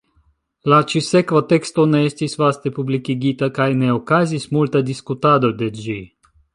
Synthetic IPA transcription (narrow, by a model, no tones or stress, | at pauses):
lat͡ʃisɛkʋat̪ɛkst̪onɛɛst̪ʲisvast̪epublikiɡit̪akajnɛokazʲismulʲt̪ad̪iskut̪ad̪ɔd̪ɛd͡ʒi